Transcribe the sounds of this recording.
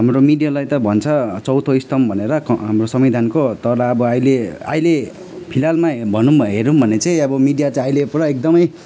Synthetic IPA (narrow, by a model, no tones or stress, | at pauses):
ɦamromiɖijalajt̪ʌbʱʌnt͡sʰʌt͡sʌwt̪ʰʌjst̪ʌmbʱʌneɾʌɦamrosʌmid̪ʱankot̪ʌɾaʌbʌʌjlea̰jle | pʰilalmabʱʌnumbʱʌɦeɾumbʱʌnet͡sʌj̃ʌbʌmiɖijat͡sãajlepuɾʌek̚d̪ʌmʌj